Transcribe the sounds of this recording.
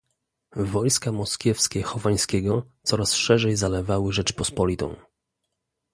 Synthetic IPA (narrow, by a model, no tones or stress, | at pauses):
vɔjskamɔskʲɛfskʲɛxɔvaj̃skʲɛɡɔt̪sɔɾasʂɛʐɛjzalɛvawɘʐɛt͡ʂpɔspɔlʲit̪ɔ̰̃w̃